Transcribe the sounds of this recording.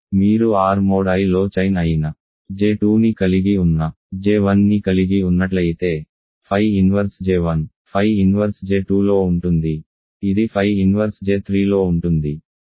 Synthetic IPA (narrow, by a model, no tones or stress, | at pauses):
miːɾuaːɾmoːɽɐjlo̞ːt͡ʃɐjnɐjinɐ | d͡ʒe̞ːʈuːnikɐliɡiunːɐ | d͡ʒe̞ːʋɐnːikɐliɡiunːɐʈ̬lɐjit̪e̞ː | pʰɐjinʋɐɾsd͡ʒeːʋɐn | pʰɐjinʋɐɾsd͡ʒe̞ːʈuːlo̞ːuɳʈund̪i | id̪ipʰɐjinʋɐɾsd͡ʒe̞ːt̪ʰɾiːlo̞ːuɳʈund̪i